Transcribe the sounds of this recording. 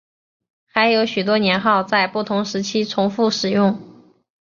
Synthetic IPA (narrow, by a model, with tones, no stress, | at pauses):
xa˧˥ɪjo˧˥ʊɕy˨˩t̪̬wɔ˥njɛ˧˥nxɑ˥˧ʊt͡sa˥˧ɪpu˥˩t̪ʰʊ˧˥ŋʂɻ̩˧˥t͡ɕʰi˥t͡sʰʊ˧˥ŋfu˥˩ʂɻ̩˨˩jʊ˥˩ŋ